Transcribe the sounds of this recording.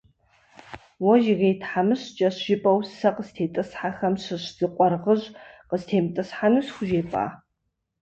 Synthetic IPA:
wɔʒɪɣejtʰħamɨɕd͡ʒʼɐɕʒɪpʼɐwsɐqəztʰeːtʼɨsħaxɐmɕɨɕz̥ɨqʷʼɔrʁəʒqəztʰeːmtʼɨsħanɨsxʷʊʒeːpʼa̰ː

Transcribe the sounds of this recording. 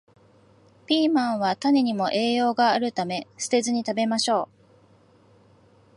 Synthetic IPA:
pʲiːmãɰ̃β̞at̪ane̞ɲ̟imo̞ʔe̞ːjo̞ːɡaːɾɯ̟t̪ame̞sɨ̥t̪e̞zɨɲ̟it̪abe̞maɕo̞ː

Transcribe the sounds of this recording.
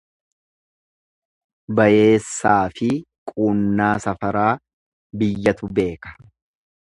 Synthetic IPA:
bɐje̞ːsːaːfɪ | kʼuːnːaːsɐfɐɾaː | bɪjːɐt̪ʊbe̞ːkɐ̥

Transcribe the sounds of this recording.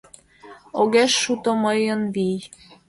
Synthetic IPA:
oɣeʃːut̪omɤjə̆nβij

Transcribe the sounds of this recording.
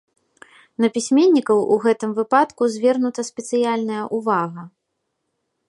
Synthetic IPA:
nɐpʲisʲmʲenʲːikɐwʔuɣɛt̪ɨmvɨpat̪kuzʲvʲɛrnut̪ɐsʲpʲɛt̪sɨjalʲnɐjɐʔuvaɣɐ

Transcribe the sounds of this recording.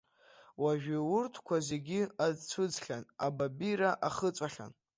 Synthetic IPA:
waʒᶣawʊrtʰkʷʰazeɡʲiad͡zt͡sʷʰɨd͡zɬʲana̰babiɾaʔaχət͡sʷʼaχʲa̰n

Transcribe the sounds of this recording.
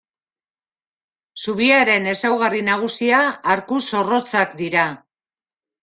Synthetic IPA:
suβiaɾe̞ne̞sawɣarinaɣ̞usiaːɾkuso̞ro̞t͡sakd̪iɾa

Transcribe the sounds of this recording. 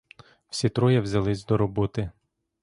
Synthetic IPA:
w̥sʲit̪ɾɔjɐwzʲɐlˠɪsʲd̪ɔɾɔbɔt̪ɪ

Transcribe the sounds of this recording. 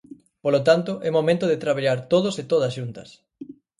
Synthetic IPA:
polot̪ant̪oʔɛmomẽnt̪oðet̪ɾaβaʎaɾt̪oð̞oset̪oðɐsʃunt̪ɐ̰s

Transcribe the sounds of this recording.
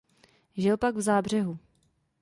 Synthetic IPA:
ʒɪlpaɡvzaːbr̝ɛɦu

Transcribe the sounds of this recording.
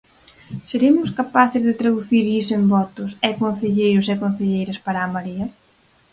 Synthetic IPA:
seɾemʊskapaθɪzðɪt̪ɾaðuθiɾisembɔt̪ʊsɛkon̟θeʎejɾʊsekon̟θeʎejɾɐspaɾaːmaɾiɐ

